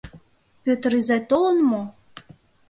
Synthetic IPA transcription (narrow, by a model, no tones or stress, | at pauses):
pøt̪ɾizæt̪olə̆nmo